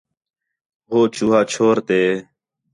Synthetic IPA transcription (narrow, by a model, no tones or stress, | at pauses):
ɦoːt͡ʃuːɦaːt͡ʃʰoːɾt̪eː